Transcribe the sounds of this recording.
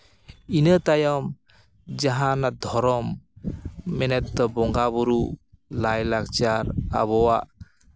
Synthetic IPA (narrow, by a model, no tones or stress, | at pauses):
inət̪ajɔm | d͡ʒaɦanad̪ʱɔɾɔmː | ɛnɛt̪̚d̪ɔbɔŋɡabɔɾu | lajlak̚t͡ʃaɾa̰βɔwaʔ